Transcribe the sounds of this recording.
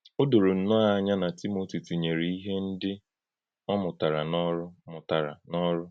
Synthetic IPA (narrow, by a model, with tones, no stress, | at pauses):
o˦do˨ɾo˨n̩˦nʊ˦a˦˨˦ɲa˦na˨ti˦mo˦ti˨tu˨ɲe˨ɾi˨i˦ɦe˦n̩˦dɪ˦ | ɔ˦mʊ˨ta˨ɾa˨nɔ˦ɾʊ˦mʊ˨ta˨ɾa̰˨nɔ˦ɾʊ˦